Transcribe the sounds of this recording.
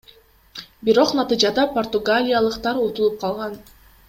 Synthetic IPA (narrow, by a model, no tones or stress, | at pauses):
biɾo̞qnɑt̪ɨd͡ʒɑd̪ɑpo̞rt̪uɡalʲijɑlˠɯqt̪ɑɾot̪ulˠup̚qʰɑlˠʁɑn